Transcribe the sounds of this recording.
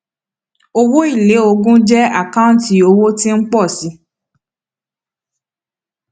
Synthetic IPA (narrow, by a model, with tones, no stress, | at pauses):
o˧wo˦i˦˨le˨˦o˧ɡũ˦d͡ʒɛ˦a˦˨kã˦n˦ti˧˦o˧wo˦tĩ˦n̩˦k͡pɔ˦˨si˨˦